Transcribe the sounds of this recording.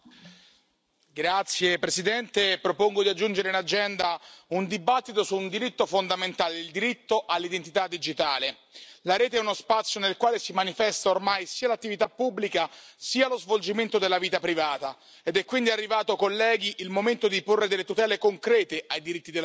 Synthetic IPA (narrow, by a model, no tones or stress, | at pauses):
ɡɾat̪sːjepɾesid̪ɛnt̪epɾopoŋɡod̪iad͡ʒːund͡ʒeɾeinad͡ʒɛnd̪aund̪ibat̪ːit̪osund̪iɾit̪ːofond̪ament̪aːled̪ild̪iɾit̪ːoʔalːid̪ent̪it̪ad̪ːid͡ʒit̪aːle | laɾɛːt̪eɛunospat̪sːjonelkwaːlesimanifɛst̪aormajsiːalat̪ːivit̪apːubːlikasiːalozvold͡ʒiment̪od̪elːaviːt̪apɾivaːt̪a | ed̪ɛkːwind̪iarːivaːt̪okolːɛːɡiʔilmoment̪od̪iporːed̪elːet̪ut̪ɛːlekoŋkɾɛːt̪eʔajd̪iɾit̪ːid̪el